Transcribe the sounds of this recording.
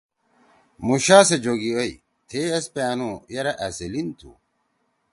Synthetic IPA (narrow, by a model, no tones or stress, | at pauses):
muɕaːsed͡ʑoɡioj | t̪ʰeːɐspaːnujɐɾɐʔɐselint̪ʰṵ